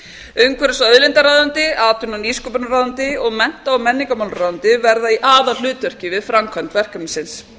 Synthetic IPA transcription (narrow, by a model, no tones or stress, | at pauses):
ʏmkvɛɾɪsaœðlɪnt̪aɾaːðant̪ɪaːt̪ʏnaniːskɔpʏnaɾaːðant̪ɪɔɣmɛn̥t̪aːmɛnːiŋkamawlraːðant̪ɪvɛɾðaiʔaːðal̥ʏːt̪œr̥cɪvɪðfɾamkʰœnt̪vɛr̥kœmnsɪns